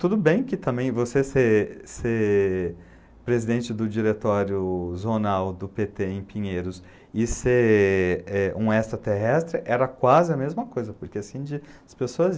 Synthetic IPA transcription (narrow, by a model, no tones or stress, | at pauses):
t̪ud̪ʊbẽj̃kɪt̪ɐ̃mbẽj̃voseseɾseɾ | pɾezid̪ẽnt͡ʃɪd̪ʊd͡ʒiɾet̪ɔɾjʊzonawd̪ʊpet̪eẽj̃pĩɲejɾʊs | ɪseɾ | ɛũɛst̪ɾɐt̪eɦɛst̪ɾɪʔɛɾɐkwazɪɐmezmɐkojzɐpoɾkeasĩd͡ʒɪɐspesoɐz